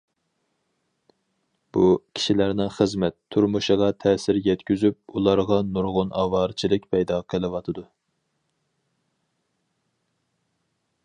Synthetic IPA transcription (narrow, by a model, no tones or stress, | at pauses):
b̥ukʲʰi̥ʃilæɾnɪχəzmɛt̪ʰːuɾmuʃəʁɑt̪ʰɛːsɪɾjɛt̪kʲyzyp̚ulˠɑɾʁɑnuɾʁʊnʔɑːwɑɾt͡ʃʰilɪk̚ʲpʰɛjd̪ɑqʰəlˠɨwɑt̪ʰɨd̪u